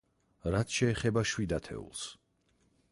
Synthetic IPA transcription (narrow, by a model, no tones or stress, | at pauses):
ɾat̪ʰʃɛːχɛbaʃwid̪at̪ʰɛ̰ṵlˠs